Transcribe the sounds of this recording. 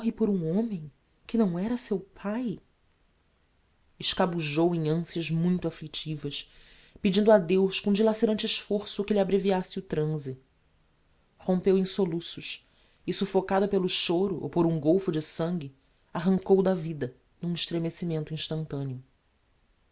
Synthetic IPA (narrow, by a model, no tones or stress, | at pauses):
ɦɪpoɾũõmẽj̃ | kɪnɐ̃w̃ɛɾɐsewpʰaj | ɪʃkabuʒowẽj̃ɐ̃siɐʒmũj̃t̪ʊaflit͡ʃivɐʃ | pid͡ʒĩnd̪ʊad̪ewʃkõd͡ʒilaseɾɐ̃nt͡ʃɪiʃfoɾsʊkɪlʲabɾeviasɪʊt̪ɾɐ̃zɪ | hõmpewẽj̃solusʊʃ | ɪsufokad̪ɐpelʊʃoɾʊʔo̰poɾũɡowfʊd͡ʒɪsɐ̃ŋɡʲɪ | aɦɐ̃ŋkowd̪ɐvid̪ɐ | nũɪʃt̪ɾemesimẽnt̪ʊĩʃt̪ɐ̃nt̪ɐ̃neʊ